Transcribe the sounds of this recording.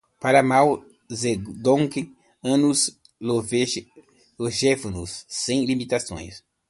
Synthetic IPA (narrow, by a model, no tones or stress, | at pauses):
paɾamaw | zed̪õŋkɪ | ɐ̃nus | lov | loʒɛfonusːẽj̃limit̪asõ̰j̃s